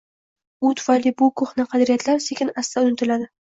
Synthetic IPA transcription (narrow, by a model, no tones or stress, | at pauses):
ʊt̪ʰʊ̥fajlːijbʊkʰoχnaqʰɑd̪ɾijat̪laɾse̞kʲɪnast̪aʊnɪt̪ʰɪlad̪ɪ